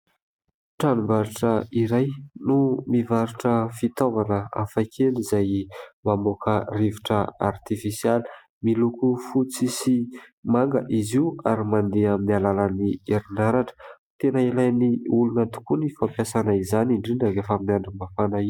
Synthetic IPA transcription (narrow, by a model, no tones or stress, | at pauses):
ʈ͡ʂanumbaɾuʈ͡ʂəiɾajnumivaɾuʈ͡ʂəfit̪ovanəa̰fakʰelizajmamokʰəriviʈ͡ʂəa̰rt̪ifisiali̥ | milukufut͡sisimaŋɡə̰ʔiziuaɾimand̪eaminialalanieɾinaɾaʈ͡ʂə̥ | t̪enəilajniulunət̪u̥kunifampjasanaizaniɳɖ͡ʐiɳɖ͡ʐaɡafaminaɳɖ͡ʐumbafanai